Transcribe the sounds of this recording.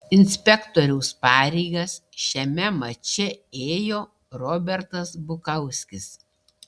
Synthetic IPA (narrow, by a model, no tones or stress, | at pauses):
ɪnʲsʲpʲɛkt̪ɔɾʲɛʊspɑːɾʲɛɪɡɐsʃʲɛmʲɛmɐt͡ʃʲɛeːjoː | ɾɔːbʲɛɾt̪ɐsbʊkɐʊsʲkʲɪs